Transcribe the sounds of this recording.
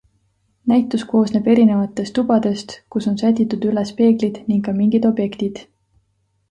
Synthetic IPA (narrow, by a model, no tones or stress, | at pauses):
næjt̪ːˑusko̞ːsneb̥e̞ɾine̞vɑt̪ːˑe̞st̪ubɑd̪̥e̞st̪kuso̞nsæd̪ʲit̪ːˑud̪̥ylespe̞ːɡ̥lid̪̥niŋɡkːɑmiŋɡ̥id̪̥o̞b̥je̞kt̪id̪̥